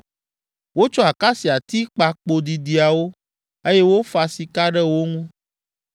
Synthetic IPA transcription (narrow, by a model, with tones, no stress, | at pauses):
wo˦t͡ʃɔ˦a˨ka˦si˨a˨t̪i˦k͡pa˨k͡po˨d̪i˨d̪i˨a˨wo˦ | e˦jɛ˦wo˦fa˨si˨ka˦ɖɛ˦wo˦ŋũ˦